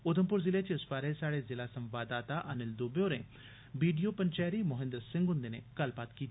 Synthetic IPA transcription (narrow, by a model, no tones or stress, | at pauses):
ʊd̪əmpʊɾzɪleːt͡ʃeɪsʋaːɾesaːɽeːzɪlaːsə̃mʋaːd̪aːt̪aʔənɪld̪obeoːɾẽ | biːɖijoːpəɲt͡ʃɛːɾimʊɦɪ̃nd̪əɾsɪ̃ŋɡɦʊ̃nd̪eːnekəlpaːt̪kiːt̪i